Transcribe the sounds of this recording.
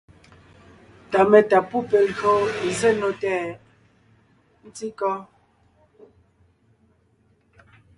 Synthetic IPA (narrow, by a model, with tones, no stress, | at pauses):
ta˨mɛ˨ta˨pu˦˨pɛ˨lɣo˦e˨ze˦˨no˨tɛː˦˨ | n̩˦ti˦kɔ˦